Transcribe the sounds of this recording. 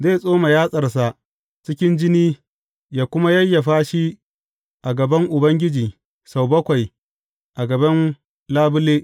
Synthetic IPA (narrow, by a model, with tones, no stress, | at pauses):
zeː˦˨sʼoː˦ma˨jaː˦sʼɐ˨rs̬a˨ʔ | t͡ʃɪ˦kʲɪ˦nd͡ʒɪ˦niː˦ | jaː˦kʷʊ˦ma˦jɐ˦jːa˨ɸaː˦ʃi˦ | ʔa˨ɡɐ˨bɐ˦ŋʔʊ˨bɐ˦ŋɡʲɪ˦d͡ʒiː˨ | sa˨wbɐ˦kʷa˨j | ʔa˨ɡɐ˨bɐ˦n | laː˦bʊ˦leː˦